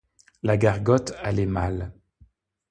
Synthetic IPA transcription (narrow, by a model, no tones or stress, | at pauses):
laɡaʁɡɔt̪alɛmal